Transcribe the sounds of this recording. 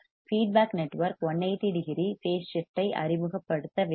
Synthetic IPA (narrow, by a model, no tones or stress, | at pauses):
fiːɖ̚baːknɛʈːʋɐɾkɔɳːɐɪt̪ɪɽɪɣɪɾiseːst͡ʃɪfʈːɐɪʔɐ̰ɾɪmɯɣɐpːɐɽɯt̪ːɐʋ